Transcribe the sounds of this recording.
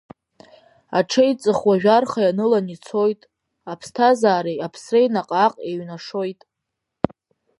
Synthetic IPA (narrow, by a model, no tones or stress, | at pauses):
aʈ͡ʂʰejt͡sʼɨχwaʒᶣarχajanɨlanit͡sʰo̞jtʼ | apʰstʰazaːɾejapʰsrejnaqʼaqʼeɥnaʂojtʼ